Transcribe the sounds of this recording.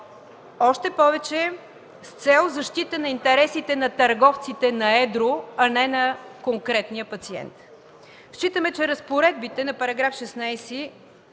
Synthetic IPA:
ɔʃt̪ɛpɔvɛt͡ʃɛ | st̪sɛlˠzɐʃt̪it̪ənɐint̪ɛɾɛsit̪ɛnɐt̪ɐɾɡɔft̪sit̪ɛnɐɛd̪ɾoɐnɛnɐkoŋkɾɛt̪nijəpɐt̪siɛ̰nt̪ | ʃt͡ʃit̪əmɛt͡ʃɛɾəspoɾɛd̪̚bit̪ɛnɐpɐɾɐɡɾafʃɛsnajsi

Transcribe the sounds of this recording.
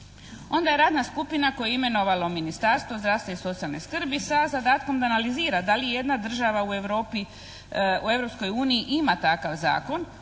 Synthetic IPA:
o̞nd̪ajeɾaːd̪naskupinako̞jeime̞no̞ʋalo̞minist̪aɾst̪ʋozd̪ɾaʋst̪aiso̞t̪sijalne̞skr̩bisazad̪aːt̪ko̞md̪analiziːɾad̪alije̞d̪nad̪r̩ʒaʋaue̞ʋɾo̞ːpi | ue̞ʋɾo̞psko̞juːniiʔimat̪akaʋza̰ːko̞n

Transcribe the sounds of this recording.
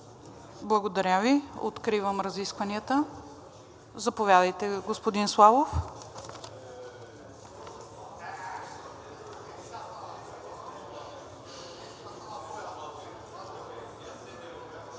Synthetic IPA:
blˠəɡod̪ɐɾʲjavio̰t̪kɾivəmɾɐziskvɐniət̪ə | zɐpovʲjad̪əjt̪ɛɡospod̪inslˠavof

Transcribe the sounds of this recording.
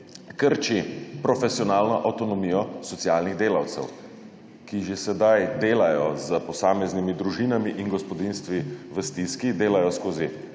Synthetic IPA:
kəɾt͡ʃipɾɔfɛsjɔnaːlnɔʔawt̪ɔnɔmijɔsɔt̪sijaːlniɣd̪eːlawt̪sɛ̰w | kiʒesɛd̪ajd̪eːlajɔzəpɔsaːmɛznimid̪ɾuʒiːnamiʔinɡɔspɔd̪inst̪ʋiʋəst̪iskid̪eːlajɔskoːzi

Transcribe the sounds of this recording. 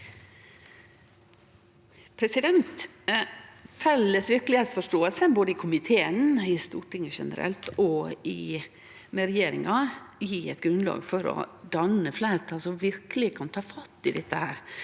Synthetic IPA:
pʰɾɛsɪd̪ɛnt̪ | fɛlːəsʋɪɾkəlɪet̪sfɔʂʈoːəlsəboːd̪əɪkʰʊmɪt̪ʰeːənɪst̪ṵːʈɪŋəʃɛ̰nə̰ɾɛ̰lt̪ɔɪ | mɛɾɛjeːɾɪ̰ŋɑjiɛt̪ɡɾʉnlɑ̰ːɡfɔɾɔ̰d̪ɑnəflæɪɾət̪ʰɑːlsɔʋɪɾklɪkʰɑnt̪ʰɑːfɑt̪ːɪd̪ɛt̪ːəhæːɾ

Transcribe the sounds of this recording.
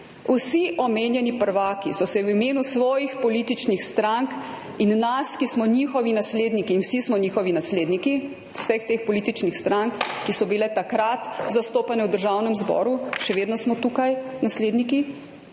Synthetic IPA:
usiʔɔmeːnjɛnipəɾʋaːkisɔsɛwimeːnusʋɔːjixpɔliːt̪it͡ʃnixst̪ɾaŋk | inːaskismɔɲiːxɔʋinasleːd̪nikiːnwsismɔniːxɔʋinasleːd̪niki | wsɛxt̪eːxpɔliːt̪it͡ʃnixst̪ɾaŋkːisɔbilɛt̪akɾat̪zast̪oːpanɛwd̪əɾʒaːwnɛmzbɔ̰ːɾuʃɛʋeːd̪nɔsmɔt̪ukajnasleːd̪niki

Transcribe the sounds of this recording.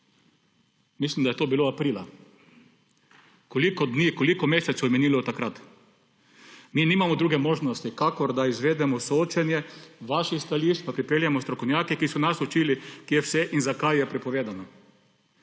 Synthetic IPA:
mislimd̪ajɛt̪oːbiloapɾiːla | kolikɔd̪niːkolikɔmeːsɛt̪sjɔmɛniːlɔt̪akɾat̪ | miniːmamɔd̪ɾuːɡɛmoːʒnɔst̪ikakɔɾd̪aizʋeːd̪ɛmɔsooːt͡ʃɛnjɛʋaʃixst̪aliʃt͡ʃpapɾipeːljamɔst̪ɾɔkownjaːkɛkisɔnasut͡ʃiːlikiɛwsɛʔinzakajjɛpɾɛpɔʋeːd̪anɔ

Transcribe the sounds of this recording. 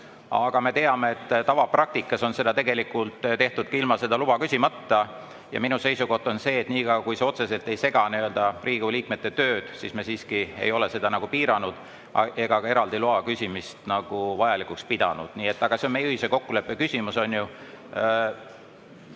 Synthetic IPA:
ɑ̰ɡ̥ɑme̞t̪e̞ɑmeet̪ːt̪ɑvɑprɑk̚t̪ikːˑɑso̞nse̞d̪ɑt̪e̞ɡe̞likːˑult̪t̪eht̪ud̪̥̚kilmɑse̞d̪̥ɑlub̥ɑkysʲimɑt̪ːɑ | jɑ̰minuse̞jsuko̞ht̪o̞nse̞ːt̪niːɡ̥ɑkujseo̞t̪se̞se̞lt̪ˑe̞jse̞ɡ̥ɑniø̞ld̪ɑriːɡ̥uliːkme̞t̪ːe̞t̪ø̞ːd̪̥sismesiːskiḛjo̞le̞se̞d̪̥ɑnɑɡ̥upiːɾɑnud̪̥ | ʔe̞ɡ̥ɑkɑe̞ɾɑld̪̥iloɑkysʲimist̪nɑɡ̥uvɑjɑlikːˑukspid̪̥ɑ̰nud̪̥niːe̞t̪ˑːɑɡ̥ɑseonme̞jɯhiseko̞kːule̞pːekysʲimuso̞nju

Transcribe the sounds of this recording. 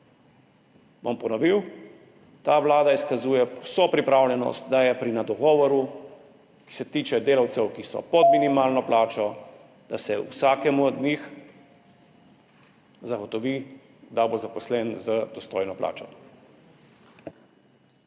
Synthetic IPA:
bɔmpɔnɔʋiw | t̪aʋlaːd̪aiskazuːjɛwsoːpɾipɾaːwlʲɛnɔ̰st̪̚d̪ajɛpɾinad̪ɔɡɔːʋɔɾu | ki̥sɛt̪iːt͡ʃɛd̪eːlawt̪sɛwkisɔ̰pɔd̪minimaːlnɔplaːt͡ʃɔ | d̪̥asɛṵsaːkɛmud̪nix | zaɡɔt̪ɔʋi | d̪abozapɔslɛnzəd̪ɔst̪ɔjnɔplʔa̰ːt͡ʃɔ

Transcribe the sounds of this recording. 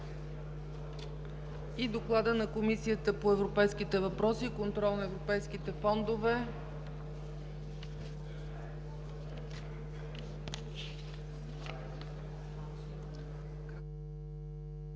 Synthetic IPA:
id̪oklˠad̪ənɐkomisiət̪əpoɛvɾopɛjsk̟it̪ɛvɐpɾɔsikont̪ɾɔlˠnɐɛvɾopɛjsk̟it̪ɛfɔnd̪ovɛ

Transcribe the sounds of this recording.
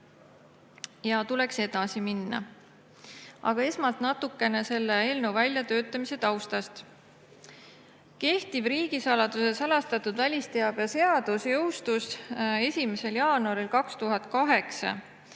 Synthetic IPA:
jɑt̪ule̞kse̞d̪̥ɑsiminːɑ̰ | ɑ̰ɡ̥ɑe̞smɑlt̪nɑt̪ukːe̞ne̞se̞lːee̞ːlne̞wvælʲjɑt̪ø̞ːt̪ːˑɑmise̞t̪ɑwst̪ɑst̪ | ke̞ht̪ib̥riːɡ̥isɑlɑd̪̥use̞sɑlɑst̪ɑt̪ːˑud̪vælʲist̪eɑb̥jɑse̞ɑd̪̥usjɤ̞wst̪use̞sʲime̞se̞ljɑːnuɑɾilkɑkst̪uɦɑt̪̚ˑkɑɦe̞ksɑ̰

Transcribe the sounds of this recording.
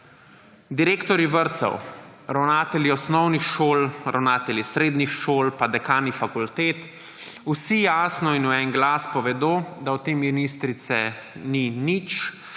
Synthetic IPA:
d̪iɾeːkt̪ɔɾiʋəɾt̪sɔ̰w | ɾawnaːt̪ɛlʲiɔsnɔwnixʃoːlɾʔa̰wnaːt̪ɛljisɾeːd̪nixʃoːlpad̪ɛkaːnixfakult̪eːt̪ | usijaːsnɔinuɛŋɡlaːspɔʋɛd̪oːd̪aɔt̪eːmmɛnist̪ɾit̪sɛ | ninit͡ʃ

